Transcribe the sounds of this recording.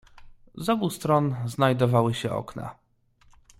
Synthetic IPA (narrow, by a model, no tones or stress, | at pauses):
zɔbust̪ɾɔnznajd̪ɔvawɘɕɛɔ̰kna̰